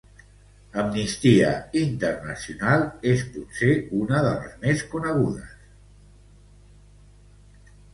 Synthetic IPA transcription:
əmnist̪iə̰int̪ərnəsiunalˠesput̪seunəðə̰lə̰zmeskunəɣ̞uðə̰s

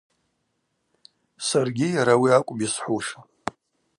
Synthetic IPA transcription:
sarɡʲɪjaɾawiakʷʼbisħʷuʂa

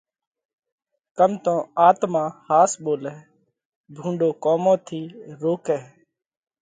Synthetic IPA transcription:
kəmt̪õːaːt̪mãːhaːsɓoːlɛː | bʱũːɳɖoːkoːmõːt̪ʰiːɾoːkɛː

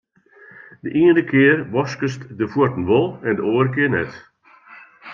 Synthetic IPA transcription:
dəʔiəndəkʰɪərʋɔskəstdəfʊətən̩ʋɔlˠɛndəoːərəkɪːnɛ̰t

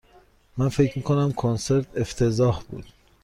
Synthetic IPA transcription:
mænfe̞cʰmiːkʰonæmkʰonse̞ɾt̪ʰe̞ft̪ʰe̞zɒːhbṵːd̪̥

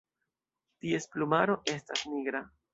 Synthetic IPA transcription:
tie̞splumaɾo̞ʔe̞stasniɡɾa

